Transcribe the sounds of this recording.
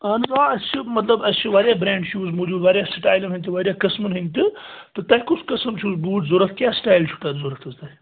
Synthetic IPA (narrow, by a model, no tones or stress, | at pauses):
ɐnzaːɐst͡ʃʰimɐt̪lɐbɐst͡ʃʰiʋɐɾjaːbɾẽːɳɖt͡ʃʰuːzmoːd͡ʒuːd̪ʋɐːɾjaːsʈaːjlɐmɦĩnʲt̪iʋɐɾjaːkɐsmunɦinʲt̪ɨt̪ɨt̪ɐːjkʊsʰkɐsɐmt͡ʃʰusbuːʈzuɾɐt̪ʰkjaːsʈaːjlt͡ʃʰu̥t̪azuɾɐt̪ʰɐst̪ɐi